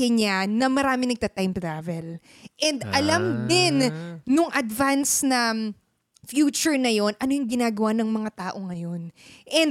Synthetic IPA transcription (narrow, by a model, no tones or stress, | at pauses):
ɐɲanɐmɐɾaːmɪnɐɡ̚t̪ɐt̪ajmt̪ɾaːvɛl | ʔɛnd̪ʔɐlamd̪ɪnːʊŋʔɐd̪vansnɐ | fjuːt͡ʃʊɹnɐjo̞nʔɐnojʊŋɡɪnaːɡɐwanɐŋmɐŋat̪aːʔo̞ŋɐjo̞nʔɛnd̪